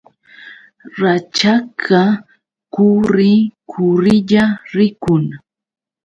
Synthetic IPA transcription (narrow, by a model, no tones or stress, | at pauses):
ɾat͡ʃakʰa | kʊɾɪkʰʊɾɪʎaɾɪkʊŋ